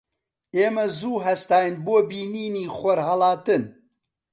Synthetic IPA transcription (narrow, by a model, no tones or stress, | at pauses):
eːmɐzuːɦɛst̪ɑːjɨnboːbiːniːniːxʷɐɾhɐlɑːt̪ɨn